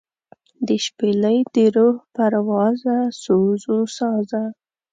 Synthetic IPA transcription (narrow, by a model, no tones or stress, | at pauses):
d̪əʃpeləjd̪əɾohpaɾwɑzasozosɑza